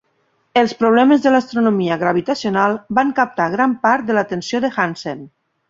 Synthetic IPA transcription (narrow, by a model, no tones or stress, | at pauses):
elˠspɾoβ̞lɛmezðəlast̪ɾonomiəɣɾaβ̞it̪asionalˠbaŋkap̚t̪aɣɾampaɾt̪̚d̪elat̪ensjoðexansen